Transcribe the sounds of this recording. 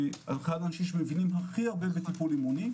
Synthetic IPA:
a̰lχadanʃiʃmevinimɦaχiaʁbebet̪ipulimuni

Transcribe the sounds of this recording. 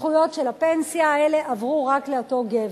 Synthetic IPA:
χujo̞tʃelapensjaːele̞ʔavʁuʁakle̞oto̞ɡev

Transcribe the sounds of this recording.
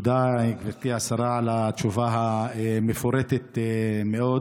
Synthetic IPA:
ud̪aiɡvet̪iasaɾaalat͡ʃuvaɦaemefoɾet̪et̪emeo̞

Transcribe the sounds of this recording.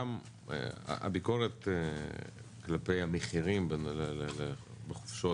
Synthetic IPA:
am̰ | a̰ʔa̰biko̞ʁete | klapejameχiʁimbenlelelebeχo̥fʃo

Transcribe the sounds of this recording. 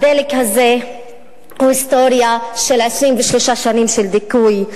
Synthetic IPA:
d̪ɛːlɪkhazɛ | uɪst̪ɔːɾjɐʃɪlʕɪʃɾiːmbɪʃluːʃaʃɐniːmʃɪld̪ɪkːuːi

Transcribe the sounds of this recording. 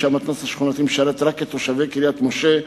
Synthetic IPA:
amat̪nasaʃχunat̪imʃaɾet̪ɾaket̪oʃavekiɾiat̪moʃe

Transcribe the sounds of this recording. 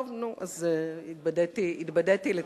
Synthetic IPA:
vnuʔazid̪̚bad̪at̪iid̪bad̪at̪ile

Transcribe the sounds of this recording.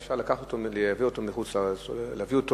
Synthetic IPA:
fʃaʁlakaχotoleaviotomiχut͡slalavioto

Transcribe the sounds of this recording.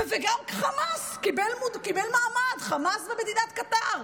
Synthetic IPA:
veɡamkχamaskibelmudkibelmaːmadχamasbemed̪inat̪kat̪aʁ

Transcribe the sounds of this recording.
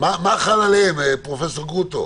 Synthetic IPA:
mamaχalaleempʁofesoʁɡut̪o̰

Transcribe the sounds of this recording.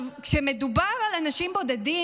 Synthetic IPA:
kʃemed̪ubaʁalanaʃimbo̞d̪ad̪i

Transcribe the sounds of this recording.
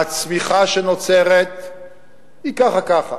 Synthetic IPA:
at͡smiχaʃeno̞t͡seʁet̪ | ikaχakaχa

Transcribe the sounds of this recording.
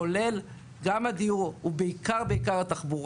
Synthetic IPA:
ole̞l | ɡamad̪iuʁubeikaʁbeikaʁat̪aχbuʁ

